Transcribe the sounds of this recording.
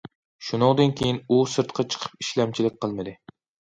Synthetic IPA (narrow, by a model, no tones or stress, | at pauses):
ʃunɨŋd̪ɨnkʲʰejinusɨɾt̪qʰɑt͡ʃʰə̥qʰə̥p̚i̥ʃlɛmt͡ʃʰilɪk̚ʲqʰəlˠmɨd̪ɨ